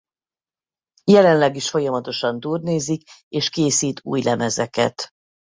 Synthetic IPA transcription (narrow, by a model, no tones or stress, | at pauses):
jɛlɛnlɛɡiʃfo̞jɒmɒt̪o̞ʃɒnt̪uːrneːzikeːʃkeːsiːt̪ʰṵːjlɛmɛzɛkɛ̰t̪